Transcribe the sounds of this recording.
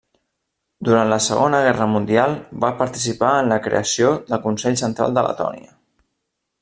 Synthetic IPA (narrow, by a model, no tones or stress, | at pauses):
d̪uɾant̪ləsəɣonəɣ̞ɛrəmund̪ialˠbapəɾt̪isipaənləkɾḛəsioðəlˠkunsɛʎsənt̪ɾa̰lˠd̪ələ̰t̪ɔ̰niə